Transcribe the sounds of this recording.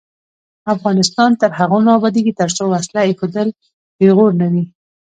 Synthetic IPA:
afɣɑnɪst̪ɑnt̪əɾɦaɣonɑbɑd̪iɡit̪əɾt͡sowaslaexod̪əl | beɣoɾnawi

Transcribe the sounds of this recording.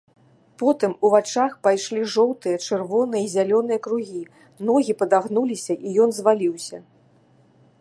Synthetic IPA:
pɔt̪ɨmuvat͡ʂaxpajʂlʲiʐɔwt̪ɨjɐt͡ʂɨrvɔnɨjɐizʲalʲɔnɨjɐkɾuɣʲi | nɔɣʲipɐd̪aɣnulʲisʲɐʔijɔnzvalʲiwsʲɐ

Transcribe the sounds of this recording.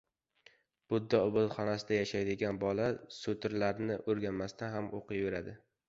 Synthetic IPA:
b̥ʊd̪ːaʊbʊlˠχɒnasɪd̪ajaʃajd̪ɪɡʲanbɒlasot̪ʰɪɾlaɾnɪʔoɾɡʲanmast̪ʰanhamoqʰɨjbe̞ɾad̪ɪ

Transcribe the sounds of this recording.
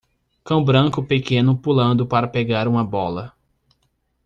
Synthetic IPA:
kɐ̃w̃bɾɐ̃kʊpekẽnʊpulɐ̃nd̪ʊpaɾɐpeɡaɾũmɐbɔlɐ

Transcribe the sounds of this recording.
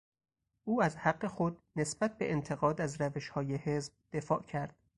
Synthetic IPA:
ʔuːæzhæɢːe̞xo̞d̪̚ne̞sbæt̪̚ʰbe̞̰ʔent̪ʰeɣɒːd̪æzɾæveʃhɒːjehe̞zbd̪̥e̞fɒːʔcʰæɾd̪̥

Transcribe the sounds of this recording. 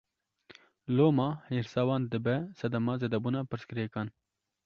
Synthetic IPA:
lomahiɾsawand̪əbɛsɐd̪ɐmazɐd̪ɐbunapəɾskɾekan

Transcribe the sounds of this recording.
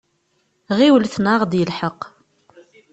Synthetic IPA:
ʁiwlθnaʁd̪jəlħəq

